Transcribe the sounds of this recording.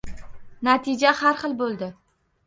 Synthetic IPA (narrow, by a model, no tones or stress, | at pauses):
nat̪ʰɪd͡ʒahaɾχɨlˠbolˠd̪ɪ